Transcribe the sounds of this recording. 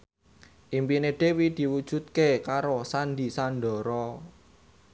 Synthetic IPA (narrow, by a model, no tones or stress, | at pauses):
ʔimpineɖ̪̥e̤wid̪̥i̤wud̥ʒ̥ṳt̪̚kekaɾosand̪i̤sanɖɔ̤ɾɔ